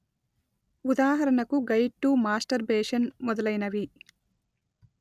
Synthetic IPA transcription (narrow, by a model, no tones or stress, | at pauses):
ud̪aːɦɐɾɐɳɐkuɡɐjʈːumaːsʈɐɾbeːʂɐnmɔd̪ɐlɐjnɐʋi